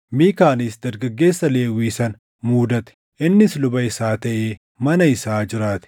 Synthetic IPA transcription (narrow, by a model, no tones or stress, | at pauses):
miːkaːnɪsd̪ɐɾɡɐɡːe̞ːsːɐle̞ːwiːsɐn | muːd̪ɐt̪ɛ̥ | ʔɪnːɪslʊbɐɪsaːt̪ɐʔeː | mɐnɐɪsaːd͡ʒɪɾaːt̪ɪ̥